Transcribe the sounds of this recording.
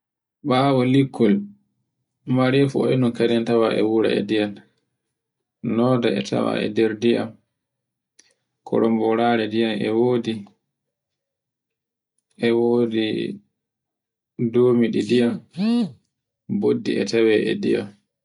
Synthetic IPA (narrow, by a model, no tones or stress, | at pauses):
ɓawɔlikʰːɔl | maɾɛfɔɛnunkadɛntawaʔɛwuɾa̰ɛ̰dijal | nɔːdaɛ̰tʰa̰wa̰ɛ̰dɛɾdiʔa̰m | kʰɔ̰ɾʔɔmbɔɾaɾɛdijamɛwoːdi | ʔɛwoːdi | doːmiɗidijam | bodːḭɛ̰tawɛʔɛ̰dḭja̰m